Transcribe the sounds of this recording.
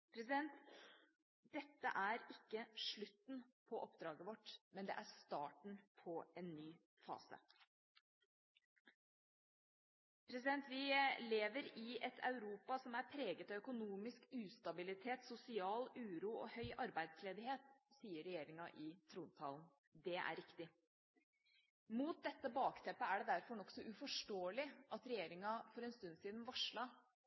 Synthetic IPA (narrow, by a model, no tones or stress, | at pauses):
pʰɾɛs̬ɪd̪ɛnt̪ | d̪ɛt̪ːə̰ʔæɾɪkːəʂɭʉt̪ːnpʰɔʔɔpd̪ɾɑːɡəʋɔʈːmɛnd̪ɛ̰ʔæɾst̪ɑːʈɳ̩pʰɔɛnːyː | fɑ̰ːsə̰ | pʰɾɛsɪd̪ɛnt̪ʋɪleːʋəɾɪɛt̪ʰɑ̰ʉɾuːpɑsɔmæɾpʰɾeːɡət̪ɑʋœkʊnuːmɪskʉːst̪ɑbɪlɪt̪ʰeːt̪sʊsɪɑːlʉːɾuːɔ̰hœʏʔɑɾbæɪd̪sleːd̪ɪɦeːt̪siːəɾɛjeːɾɪŋɑʔɪt̪ʰɾuːnt̪ʰɑ̰ːln̩ | d̪ɛʔæ̰ɾɪkt̪ɪ | muːt̪̚d̪ɛt̪ːəbɑːkt̪ʰɛpːəæɖɛd̪æɾfɔɳɔksɔʔʉfɔʂʈoːəlɪʔɑt̪ɾɛjeːɾɪŋɑfɔɾɛnst̪ʉnsiːd̪nʋɑʂɭɑ